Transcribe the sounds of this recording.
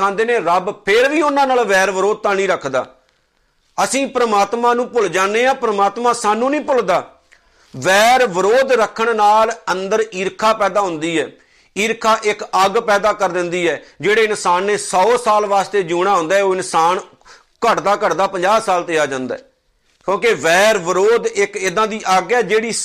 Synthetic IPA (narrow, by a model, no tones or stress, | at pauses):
ãːnd̪eːneːɾəbpʰɪɾʋiːʊnãːnaːlʋɛːɾʋəɾoːd̪̚t̪ãːnĩːɾəkʰd̪a̰ː | əsĩːpɾəmaːt̪mãːnũːpʊld͡ʒaːneːãːpɾəmaːt̪mãːsaːnːũːnĩːpʊld̪aː | ʋɛːɾʋəɾoːd̪ɾəkʰəɳnaːlənd̪əɾiːɾkʰaːpɛːd̪aːɦʊ̃nd̪iːɛ̰ː | iːɾkʰaːʔɪkəɡpɛːd̪aːkəɾd̪ɪnd̪iːɛːd͡ʒeːɽeːɪnsaːnːeːsɔːsaːlʋaːst̪eːd͡ʒuːɽ̃aːɦʊ̃nd̪aːɦɛːoːɪnsaːn | kəʈd̪aːkəʈd̪aːpəɲd͡ʒaːsaːlt̪eːjaːd͡ʒãːnd̪a̰ːɛː | kjõːkeʋɛːɾʋəɾoːd̪ɪkɪd̪ãːd̪iːʔaɡɛːd͡ʒeːɽiː